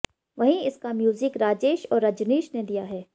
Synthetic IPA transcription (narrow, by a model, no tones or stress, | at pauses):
ʋɐɦĩɪskamjuːzɪkɾaːd͡ʒeːʃɔːɾːɐd͡ʒneːʃned̪ijaɦɛː